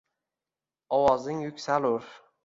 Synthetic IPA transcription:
ɒwɒzɪŋjʊkʲsalʊɾ

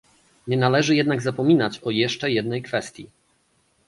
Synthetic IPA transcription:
ɲɛnalɛʐɘjɛd̪naɡzapɔmʲinat͡ɕɔjɛʂt͡ʂɛjɛd̪nɛjkfɛst̪ʲjḭ

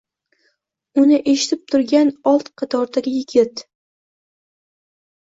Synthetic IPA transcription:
ʊnɪʔeʃɪ̥t̪ʰɪp̚t̪ʰʊɾɡʲanɒlˠt̪qʰɑt̪ʰɒɾd̪aɡʲɪjɪɡʲɪt̪

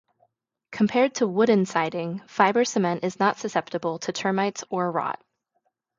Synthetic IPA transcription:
kʰm̩pʰɛɹd̚tʰəwʊdⁿn̩saɪɾɪ̃ŋfaɪbə˞sɨmɛ̃ntɨznətsɨsɛp̚təbl̩ˠtʰɨtʰɜ̃˞maɪtsə˞ɹɑ̰t̚

